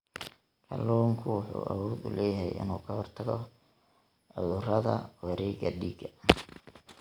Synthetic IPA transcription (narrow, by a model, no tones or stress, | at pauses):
kʰɐlɔːŋkʰʊwʊħṵːʔɐ̰wɔːd̪ʊlɛːjɐɦɛjɪ̰nuːkʰɐhɔrt̪ʰɐɣɔ | ʕʊðʊrɐðɐ̰wɛɾɛːɡɐɖiːɡɐ